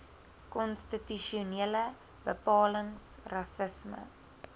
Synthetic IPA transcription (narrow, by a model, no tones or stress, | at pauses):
kɔnstityʃiuniələ | b̥əpɑːləŋsrɐsəsmə̰